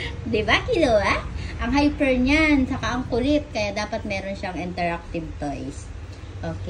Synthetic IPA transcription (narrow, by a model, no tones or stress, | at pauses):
d̪ɪbakɪlɐwaʔʔɐŋɦajpɛɹɲant͡ʃɐkaʔɐŋkʊlɪt̪̚kɐjad̪aːpɐt̪̚mɛːɾonʃaŋʔɪnt̪ɛɹak̚t̪ɪb̚t̪ojs | ʔoːkɛ